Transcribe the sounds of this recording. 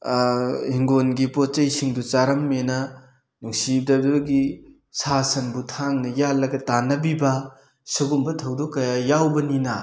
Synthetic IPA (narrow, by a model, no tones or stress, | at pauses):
hiŋɡonɡipot͡ʃɐjsiŋdut͡ʃaɾɐmːenɐ | nuŋsib̚dɐbdoɡi | sasɐnbutʰaŋnɐjalːɐɡɐtanɐbibɐ | sɐɡumbɐtʰɐwdokːɐjajawbɐninɐ